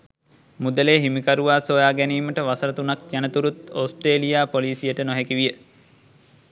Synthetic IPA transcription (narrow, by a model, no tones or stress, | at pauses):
mud̪əleːɦimikaɾuʋaːsoːjaːɡæniːməʈəʋasəɾət̪unakjænət̪uɾut̪oːsʈreːlijaːpoliːsijəʈənoɦekiʋijə